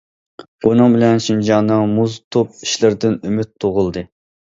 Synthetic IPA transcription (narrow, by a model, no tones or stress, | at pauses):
unɨŋbɪlɛnʃind͡ʒɑnːɨŋmuzt̪ʰop̚i̥ʃlɪɾd̪ɪnymyt̪ʰːoʁʊlˠd̪ɨ